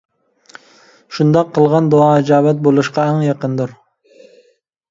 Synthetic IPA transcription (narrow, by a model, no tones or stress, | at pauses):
ʃund̪ɑqʰːəlˠʁɑnd̪oɑːɪd͡ʒɑːwɛt̪̚bolˠuʃqɑæŋjɑqənd̪uɾ